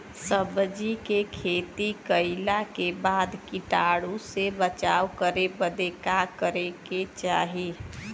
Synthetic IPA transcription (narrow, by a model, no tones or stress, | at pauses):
səbd͡ʒikekʰeːt̪ikəɪlakebaːd̪kiʈaɽũsebət͡ʃaːwkəɾebəd̪ekakəɾeket͡ʃaːɦi